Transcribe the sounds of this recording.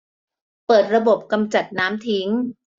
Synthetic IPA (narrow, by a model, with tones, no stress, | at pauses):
pɤː˨˩t̪̚ɾa˧bo˨˩p̚ka˧mt͡ɕa˨˩t̪̚naː˦˥mt̪ʰi˦˥ŋ